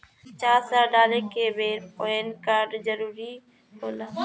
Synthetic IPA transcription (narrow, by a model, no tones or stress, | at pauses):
t͡ʃaːɾsaɖaːlekebeːɾpoːenkaːɾɖzəɾuːɾi | ɦoːla